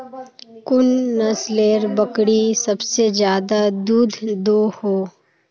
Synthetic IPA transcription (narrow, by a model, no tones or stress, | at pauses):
kʊnːɐsleːɾbɐkɽisɐbsezd͡ʒjaːd̪ad̪uːd̪ʱd̪oːhoː